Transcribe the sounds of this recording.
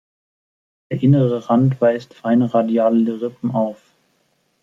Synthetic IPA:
d̥eːɐʔɪnəʁəʁantv̥aɪstfaɪnəʁadjaːlədɛʁɪpm̩aʊf

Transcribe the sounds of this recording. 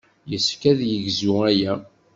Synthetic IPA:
jəsfkæðjəʝzuæjæ

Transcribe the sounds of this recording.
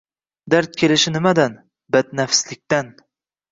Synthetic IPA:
d̪aɾt̪̚kʲʰe̞lɪʃɪnɪmad̪an | bat̪nafslɪk̚ʲt̪an

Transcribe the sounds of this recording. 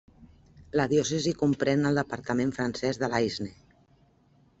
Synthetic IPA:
ləðiɔsəzikumpɾɛnəlˠd̪əpəɾt̪əmẽɱfɾənsɛzðəlajzne

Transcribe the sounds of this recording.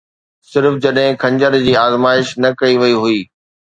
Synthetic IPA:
sɪɾfd͡ʑɐɗɦɪ̃kʰɐ̃ɲd͡ʑəɾd͡ʑiːaːzmaːɪʃnɐkɐiʋɐiɦʊiː

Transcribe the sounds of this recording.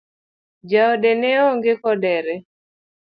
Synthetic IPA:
d͡ʒaoɔdenɛɔŋɡekɔdɛɾɛ

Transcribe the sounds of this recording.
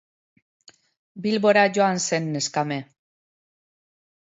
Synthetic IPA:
bilβo̞ɾaʝo̞anse̞nːe̞skame̞

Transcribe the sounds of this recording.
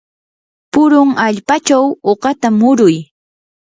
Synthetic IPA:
pʊɾʊŋaʎpat͡ʃawoɢɑt̪amʊɾʊj

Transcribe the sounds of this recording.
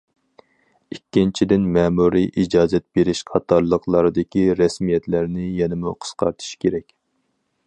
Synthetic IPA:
ikʲːint͡ʃʰid̪ɪnmɛːmuɾiʔid͡ʒɑːzɛt̪̚b̥eɾɪʃqʰɑt̪ʰːɑɾlˠəqlˠɑɾɨd̪ɪkʲiɾɛsmijɛt̪læɾnɪjɛnɪmuqʰə̥sqʰɑ̰ɾt̪ʰɨ̥ʃkʲʰeɾɛkʲ

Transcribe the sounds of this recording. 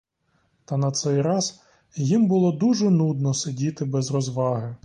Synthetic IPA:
t̪ɐnɐt̪sɛjɾɑz | jimbʊlˠɔd̪uʒɛnud̪̚nɔsedʲit̪ɪbɛzrɔzʋɑɦɪ

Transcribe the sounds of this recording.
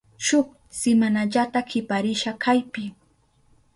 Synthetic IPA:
ʃʊχ | sɪmanaʎat̪akʰɪpaɾɪʃakʰajpɪ

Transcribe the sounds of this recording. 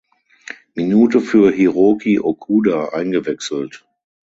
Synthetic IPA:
minuːtəfyːɐɦiʁoːkiʔokʰuːdaʔa̰ɪnɡəvɛksl̩t

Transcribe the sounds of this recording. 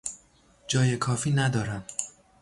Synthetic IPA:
d͡ʒɒːje̞kʰɒːfiːnæd̪ɒːɾæm

